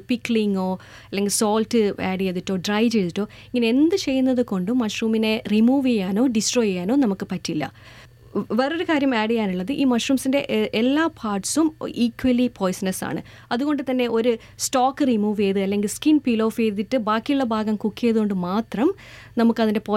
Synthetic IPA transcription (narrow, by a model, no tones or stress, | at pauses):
pikːɭiŋo̞ː | ɐlːe̞ŋɡilso̞ːltːɨḛːɽijeðiʈːo̞ːɖrɐjt͡ɕe̞jðiʈːo̞ː | eŋːɐneend̪ɨt͡ɕe̞jːunːɐðɨko̞ɳɖɨmːɐʂruːmine̞rimuːʋejːaːno̞ːɖisʈro̞ːjejaːno̞ːnɐmukːɨpɐtːilːɐ̰ | ʋeːroɾukaːɾjɐmeːɽijaːnuɭːɐðɨʔiːmɐʂruːmsinde̞ʔʔelːaːpʰaːʈsumiːkːwɐlipʰo̞ːjsnɐsa̰ːɳɨ̰ | ɐðuɣo̞ɳɖɨt̪ɐnːe̞ʔo̞ɾu | stoːkːɨrimuːʋejðɨɐlːe̞ŋɡilskinpilo̞ːfejðiʈːɨbaːkːijuɭːɐbʱaːɡɐmkukːijɐðɨɣo̞ɳɖɨmaːt̪rɐm | nɐmukːɐðinde̞poː